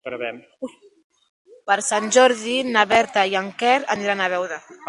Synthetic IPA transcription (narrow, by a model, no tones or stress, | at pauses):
pɾβɛm | pəɾsanʲd͡ʒɔɾðinaβɛɾt̪ajaŋkɛɾaniɾanaβ̞ɛwða